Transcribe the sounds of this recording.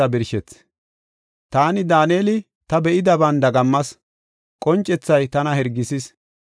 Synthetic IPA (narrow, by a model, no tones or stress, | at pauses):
ɐbɪɾʃɛt͡sː | t̪aːnɪd̪aːneːlɪ | t̪ɐbɛʔɪd̪ɐbɐnd̪ɐɡɐmːɐs | kʼɔnt͡ʃʼːɛt͡sːɐjt̪ɐnɐhɛɾɡːɪsɪs